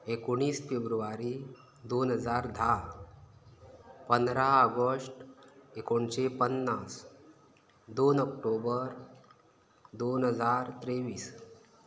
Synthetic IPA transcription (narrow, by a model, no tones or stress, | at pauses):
ekoɽ̃iːsfebɾuʋaɾi | d̪onɦəd͡zaɾd̪ʱa | pənd̪ɾaəɡəsʈekoɳɕepənːas | d̪onəkʈobəɾ | d̪onɦəd͡zaɾt̪ɾeʋiːs